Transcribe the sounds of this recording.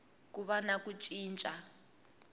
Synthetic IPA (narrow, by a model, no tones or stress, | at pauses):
kuβanakut͡ʃʼiːnt͡ʃʼa